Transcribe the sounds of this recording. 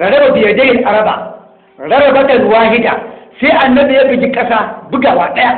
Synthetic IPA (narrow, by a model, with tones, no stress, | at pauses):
ɾɐ˨ɽɐ˦ba˨bɪ˨jɐ˨dɐ˦jɪ˨nʔa˨ɾɐ˦ba̰˨ | ɽɐ˦ɽɐ˨bɐ˦tɐ˨n˨waː˦ɦɪ˦da̰ː˨seː˦ʔa˨nːɐ˦bi˨ja˦bɪ˨kʲi˦kʼɐ˦saː˦bʊ˦ɡa˨waː˨ɗɐ˦ja˦